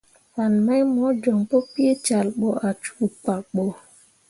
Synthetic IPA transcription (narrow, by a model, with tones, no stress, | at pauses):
fa˨nma˦jmɔ˨˦d͡ʒo˨ŋpo˦pi˦e˦t͡ʃa˨lɓo˦ʔa˨t͡ʃu̥˦˨k͡pa˨k̚ɓo˦